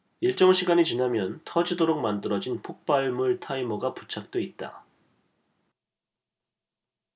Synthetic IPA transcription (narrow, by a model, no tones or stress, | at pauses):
iɭt͡ɕ͈ʌŋɕʰiɡaɲit͡ɕinamjʌntʰʌd͡ʑidoɾok̚mandɯɾʌd͡ʑinpʰok̚p͈aɭmuɭtʰaimʌɡaput͡ɕʰak̚t͈oit̚t͈a̰